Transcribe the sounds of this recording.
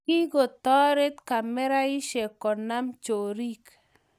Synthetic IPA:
ki˦ɡo˨t̪ɔ˦ɾe˦t̪ka˨mɛ˦ɾa˦i˦ʃe˨kɔ˨na˦mt͡ʃo˨ɾi˦k

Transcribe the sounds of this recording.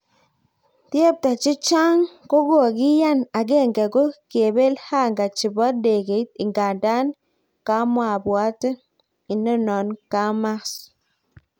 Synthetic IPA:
tje˦˨p̚ta˨t͡ʃi˦t͡ʃa˦ŋko˦ɡo˨a˨ɡi˦ja˦˨na˨ɡe˦˨ŋɡɛ˨ɡo˦ke˨be˦lha˦˨ŋɡa˨t͡ʃi˨bɔ˦de˨ɡe˨˦t̚i˨ŋɡa˨nda˦n | ka˦mwa˨bwa˨˦tə˦ | i˨nə˦˨nɔ˨nka˦ma˦s

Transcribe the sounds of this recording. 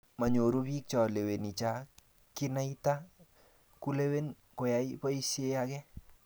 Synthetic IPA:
ma˨ɲo˨ɾu˦pi˦k̚t͡ʃɔ˨le˨we˨ni˨t͡ʃa˦ | ki˦na˦i˦ta | ku˦le˦we˦n | ko˨ja˨ipɔ˦i˦se˦ja˦kɛ

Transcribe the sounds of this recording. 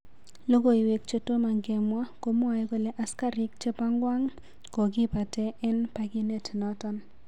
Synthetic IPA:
lo˦ɡo˦i˨we˨k̚t͡ʃe˦to˦ma˨ŋɡɛ˨mwa˦ko˦mɔ˦a˨je˦ɡo˨lɛ˦ʔa˦ska˦ɾɪ˦k̚t͡ʃe˦pa˦ŋɡwa˦ŋ | ko˨ɡɪ˦pa˨tɛ˦ʔɛ˦npa˨ɡi˦ne˦tnɔ˦tɔ˦n

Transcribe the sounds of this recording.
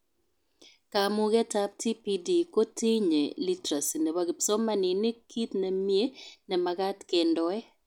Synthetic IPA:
ka˨mʊ˦ɡɛ˦ta˦p̚tʰi˦pi˦di˨ko˦ti˦ɲḛ˨li˦tɾa˨si˨nɛ˨wa˦ɡɪ˨psɔ˦ma˦nɪ˨nɪ˦kʰi˦t̪nɛ˨mje˦nɛ˨ma˨ka˦tke˨ndɔ˨ɛ˦

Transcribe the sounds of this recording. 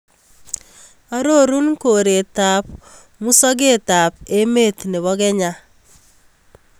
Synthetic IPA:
a˦ɾo˦˨ɾu˦nko˨ɾe˨t̪a˨p | mu˦sɔ˦ɡe˦˨t̪a˨pe˦me˦˨t̪ne˨βɔ˦ɡɛ˦ɲa˦

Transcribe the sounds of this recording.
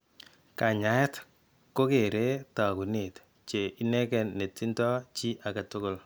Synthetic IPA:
ka˨ɲa˨˦ɛ˦t | ko˦ke˨ɾe˦ta˨ku˨ni˨t | t͡ʃe˨ʔi˦nɛ˦kɛ˨nːe˨tːi˦ntɔ˦t͡ʃi˦ʔa˨ka˨tʊ˦ko˦l

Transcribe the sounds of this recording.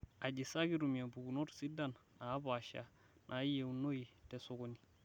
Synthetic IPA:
a˨d͡ʒi˨sa˦ɡi˦ɾu˨mja˨bu˨ɡu˨no˦ɾsi˦da˦nːa˨˦ba˨ʃa̰˨ | nʔa˨˦je˨wno˦i˨tɛ˨so˨ɡo˨ni˨

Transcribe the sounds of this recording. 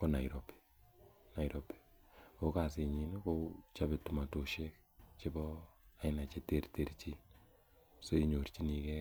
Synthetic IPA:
ko˦na˨iɾo˨pi̥˦ | na˨iɾopi̥˨ko˦ka˨se˨ɲi˨nu˦kot͡ʃa˦be˨tu˨ma˨to˨ʃe˦k | t͡ʃebɔ˦a˦ina˨t͡ʃe˦te˦rte˨ɾt͡ʃi˦ | so˦i˦ɲo˨rt͡ʃi˦ni˨kɛ˦

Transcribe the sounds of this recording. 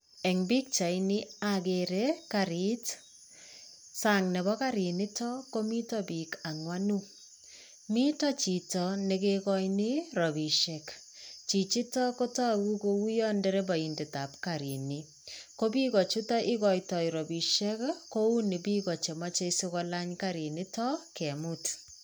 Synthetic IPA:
ɛ˨ŋbi˦k̚t͡ʃa˨ini˦ake˨ɾe˦kaɾi˦t | saŋnɛ˨bɔ˦ka˦ɾi˨ni˦tɔ˦ko˦mi˦tɔbi˨ka˨ŋwa˦nu˦ | mi˦tɔ˦t͡ʃi˨tɔnekekɔ˦jni˦ɾɔ˨bi˨ʃɛ˨k | t͡ʃi˨t͡ʃi˦tɔ˦ko˦tɔ˦ku˦ko˦wu˦jɔ˦nde˦ɾe˦bɔ˨i˨nde˨ta˨pkaɾi˨ni | ko˦bi˦kɔ˨t͡ʃu˦tɔ˦ʔi˦kɔ˨jtɔ˨jɾɔ˨bi˨ʃɛ˦kko˦u˦ni˨bi˦kɔ˨t͡ʃe˨ma˦t͡ʃe˦sokɔla˦ɲkaɾi˨ni˦tɔ˦kɛ˨mut

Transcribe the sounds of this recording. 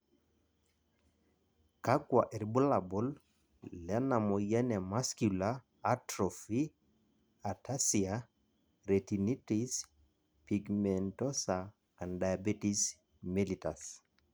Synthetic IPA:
ka˦ɡwa˨ʔe˨ɾbu˦la˨bɔ˨l | lɛ˦na˨mo˨jɛ˦nɛ˨ma˦skulaː˦ | tɾɔfi | a˨ta˦sia | ɾeti˨ni˦tis | piɡmɛntɔ˦sa | andaja˨bi˦tis | milita˨s

